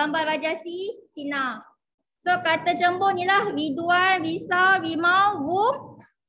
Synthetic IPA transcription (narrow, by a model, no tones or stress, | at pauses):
ambalɾad͡ʒasisina | sokat̪at͡ʃəmbɔʔnilahriduanɾisawɾimawbum